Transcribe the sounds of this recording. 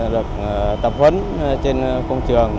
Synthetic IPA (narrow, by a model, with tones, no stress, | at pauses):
ɗɨ˨˩ək̚t̪ə˨˩p̚hə˧˥n | t͡ɕe˧nkə˧wŋ͡mt͡ɕɨ˨˩əŋ